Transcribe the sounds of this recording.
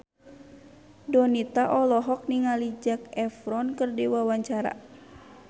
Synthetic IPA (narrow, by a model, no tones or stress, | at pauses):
dɔnit̪aʔɔlɔɦɔk̚niŋalid͡ʒak̚ɛfɾɔnkərdiwawaɲt͡ʃaɾa̰